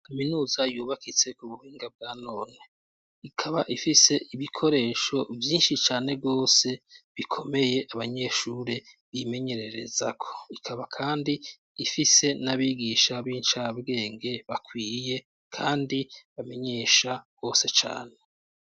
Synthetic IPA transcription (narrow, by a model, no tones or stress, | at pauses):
kaminuːzajuːβakit͡se̞kuβuhiːŋɡab̚ɡaːno̞ːne | ikʰaβaʔifise̞ʔiβikʰo̞ɾe̞ːʃo̞vjiːnʃit͡ʃaːne̞ɡo̞ːse̞βikʰo̞me̞je̞ʔaβaɲe̞ʃuːɾe | βime̞ɲe̞ɾeɾe̞̰zakʰo̞̥ikʰaβakʰaːndiː | fise̞naβiːɡiʃaβiːnt͡ʃabɡe̞ːŋɡe̞βakwiːje̞ | kʰaːndiβame̞ɲe̞ːʃaβ̥o̞ːse̞t͡ʃa̰ːne̞